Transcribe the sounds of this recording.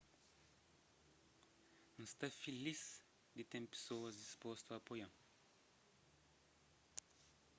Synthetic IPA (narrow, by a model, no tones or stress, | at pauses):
n̩st̪ɐfilis | d̪it̪ɛ̃mpi̥soːɐzispost̪vɐpojɐ̃ŋ